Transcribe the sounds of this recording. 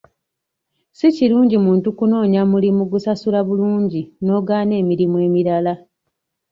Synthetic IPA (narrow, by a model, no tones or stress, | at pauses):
siciluːɲɟimuːntukuno̞ːɲamulimuɡusasulaβuluːɲɟino̞ːɡaːne̞ːmiɾimue̞ːmiɾala